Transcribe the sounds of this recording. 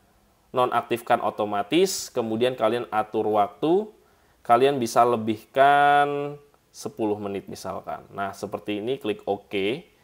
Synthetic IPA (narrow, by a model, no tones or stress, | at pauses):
nɔnʔa̰k̚t̪ɪfkanʔo̰t̪omat̪ɪskəmudiankalianat̪ʊrwak̚t̪u | kalianbisaləbɪhkan | səpulʊhmənɪt̪̚misa̰lka̰nːahsəpərt̪iːniklɪkoke